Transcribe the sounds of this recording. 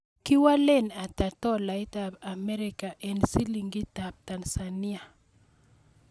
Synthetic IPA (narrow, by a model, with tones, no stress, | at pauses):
ki˦wa˦le˦na˨ta˨tɔ˦la˨itaba˨mɛ˦ɾika˨ʔɛnsi˦liŋɡi˦tab̚ta˨nsa˨ni˦a˨